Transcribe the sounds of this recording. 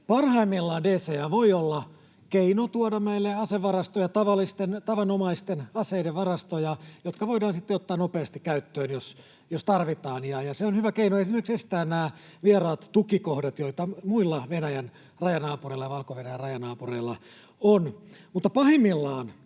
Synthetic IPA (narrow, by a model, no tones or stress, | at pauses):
pɑrhɑimːilːɑːndeːseæʋoiolːɑ | keinot̪uodɑmeilːeɑseʋʋːɑrɑst̪ojɑt̪ɑʋɑlːist̪ent̪ɑʋɑnomɑist̪enɑseideʋʋɑrɑst̪ojɑjot̪kɑʋoidɑːnsit̪ːeot̪ːɑːnopeɑst̪ikkæyt̪ːøːnjos | jost̪ɑrʋit̪ɑːnjɑjɑseonhyʋækeinoesimerksest̪æːnnæː | ʋierɑːt̪t̪ukikohdɑt̪joit̪ɑmuilːɑʋenæjæn | rɑjɑnɑːpureilːɑjɑʋɑlkoʋenæjærɑjɑnɑːpureilːɑ | onmut̪ːɑpɑhimːilːɑːn